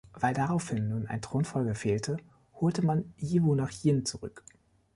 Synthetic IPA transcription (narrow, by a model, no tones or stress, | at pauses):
v̥aɪldaʁaʊfhɪnːuːnʔa̰ɪntʁ̥oːnfɔlɡəfeːltʰə | hoːltəmanjiːvonaχjɪnt͡suʁʏ̰k